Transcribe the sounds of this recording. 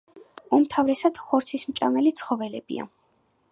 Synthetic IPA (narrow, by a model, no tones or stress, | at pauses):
umt̪ʰavɾɛsad̪̥χɔɾt̪sʰismt͡ʃʼa̰nɛlit̪sʰχɔvɛlɛbḭa̰